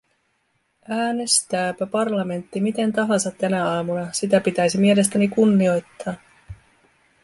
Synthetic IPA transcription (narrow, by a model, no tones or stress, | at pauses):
ʔæːne̞st̪æːpæpɑrlɑme̞nt̪ːimit̪e̞nt̪ɑɦɑnsɑt̪ːænæɑːmunɑsit̪æpit̪æjsimie̞le̞st̪ænikunːio̞jt̪ːɑː